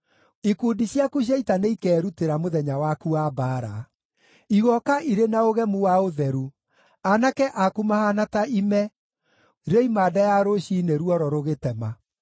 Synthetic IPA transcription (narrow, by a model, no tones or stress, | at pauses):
ikuːndiɕjakuɕ̬jaitaneikɛːɾuteɾamoðɛɲawakuaːbaːɾa | iɣɔkaʔiɾenaoɣɛmuwaoðɛɾu | anakɛʔakumahanataimɛ | ɾeimaːdajaɾoɕineɾwɔɾɔɾoɣetɛma